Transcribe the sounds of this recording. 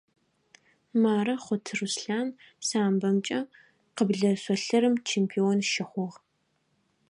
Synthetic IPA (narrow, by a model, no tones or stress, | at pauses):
maːɾɐχʷʊtʰrusɬaːm | saːmbɐmt͡ʃʼɐ | qəbɮɐsʷɔɬɐɾɨmt͡ʃʰeːmpʰionʃɪχʷɔʁ